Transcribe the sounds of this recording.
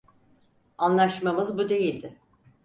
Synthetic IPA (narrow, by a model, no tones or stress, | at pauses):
anlˠaʃmamɯzbud̪e̞jilʲd̪ɪ